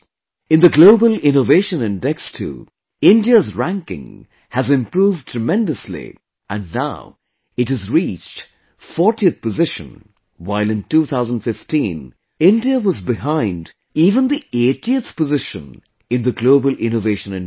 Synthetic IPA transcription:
ɨ̃nðɨɡloʊbəlˠɪ̃noveɪʃə̃nɪ̃ndɛkstʰṵ | ɪ̃ndiəzɹæ̃ŋkɪ̰̃ŋ | hɨzɨ̃mpɹuːvd̚tʰɹ̥əmɛ̃ndəslḭ | ʔɨ̃nːaʊ | ɨtɨzɹit͡ʃt | fɔɹtiɨθpəzɪʃə̰̃n | waɪlˠɨ̃ntuθʰaʊzə̃ndfɪftʰĩn | ɪ̃ndiəwʌzbɪɦãɪ̃nd | iːvə̃nðietiɨθpəzɪʃə̰̃n | ɨ̃nðəɡloʊbəl̩ˠʔɪ̃noveɪʃə̃nɨ̃

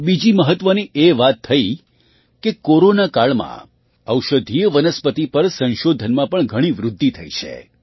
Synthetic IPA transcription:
bid͡ʒiməɦət̪ʋəniʔeʋat̪ʰːəi | kekoɾonakaɭmã̰ | əwʃəd̪ʱijəʋənəspət̪ipəɾsə̃nʃod̪ʱənmãpəɳɡʱəɽ̃iʋɾʊd̪ʱːit̪ʰəit͡ʃʰḛ

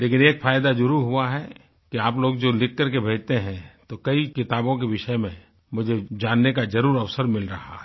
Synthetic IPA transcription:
leːkɪneːkfʰaːjd̪ad͡ʒʊɾuɦʊaɦɛ | kiaːploːɡ̚d͡ʒoːlɪk̚ʰːəɾkebʱeːd͡ʒt̪eɦɛ̃t̪okɐikɪt̪aːbõk̬eʋɪʃəmẽ | mʊd͡ʒʱed͡ʒaːnːekad͡ʒɐɾuːɾɐʋsəɾmɪlɾɐɦa̰ɦɛ

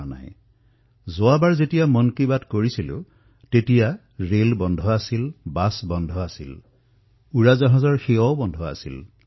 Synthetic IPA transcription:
na̰j | zʊabaɹzetijamɔnkibatkoɹisilʊ̰ | tetija | ɹelbɔndʱɔasilbasbɔndʱɔasḭl | uɹazaɦɔzaɹxeɔbɔndʱɔa̰sḭl

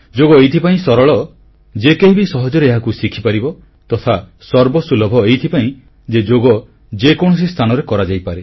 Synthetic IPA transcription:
d͡ʒoɡɔejt̪ʰipaĩsɔɾɔɭɔ | d͡ʒekeɦibisɔɦɔd͡ʒɔɾeeɦakusikʰipaɾibɔ | t̪ɔt̪ʰa | sɔɾbɔsulɔbʱɔejt̪ʰipaĩ | d͡ʒed͡ʒoɡɔ | d͡ʒekɔɽ̃ɔsist̪ʰanɔɾekɔɾad͡ʒajpaɾe

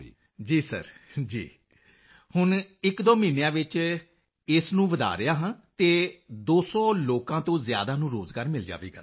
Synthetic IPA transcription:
d͡ʒiːsə̰ɾd͡ʒḭː | hʊnɪkd̪oːmiːnejãːʋɪt͡ʃ | ɪsnũːʋəd̪a̰ːɾɪjaːɦãːt̪eːd̪oːsɔːloːkãːt̪õːzja̰ːd̪aːnũːɾoːzɡaːɾmɪld͡ʒa̰ːʋḛːɡa̰ː

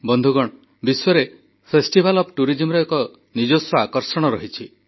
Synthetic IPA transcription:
bɔnd̪ʱuɡɔɽ̃ | biswɔɾe | pʰesʈibʱalɔpʈuɾid͡ʒimɾɔekɔ | nid͡ʒosɔakɔɾsɔɽ̃ɔɾɔɦit͡ʃʰi

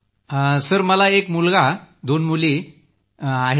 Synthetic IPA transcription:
səɾməlaekmulɡad̪onmuli | aɦe

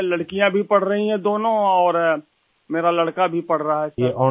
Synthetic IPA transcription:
lɐɽkijãbʱipɐɽ̤ɾɐɦĩɦɛ̃d̪oːnõɔːɾ | meːɾalɐɽkabʱipɐɽ̤ɾaaɦɛsjeʔɔː

